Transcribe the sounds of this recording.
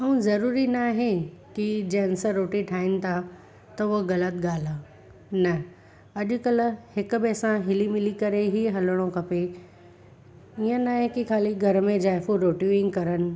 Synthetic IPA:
əũzɐɾuːɾinaːɦẽkid͡ʑɛ̃nsəɾoːʈiʈʰaːɪnɪ̆t̪ʰa | t̪ɐʊɦɣɐlət̪ɡaːl̤aː | nɐ | ɐʄʊ̆kɐlhɪkʊbesãɦɪlimɪlikɐɾeɦiɦɐləɽ̃õkʰɐpe | iə̃naːɦẽkikʰaːliɡʱɐɾmẽd͡ʑaːjfuɾoːʈjuɪ̃ŋɡkɐɾənɪ̆

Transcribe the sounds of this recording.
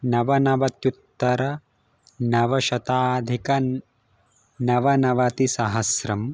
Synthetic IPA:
nɐʋɐnɐʋɐt̪jut̪ːɐɾɐ | nɐʋɐʃɐt̪aːd̪ʱikɐ | nɐʋɐnɐʋɐt̪isɐɦɐsɾɐm

